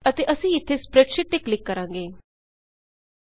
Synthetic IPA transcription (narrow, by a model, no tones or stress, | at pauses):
ət̪eʔəsẽit̪ʰːespɾeʈɕiʈːikːlikːəɾãŋɡeː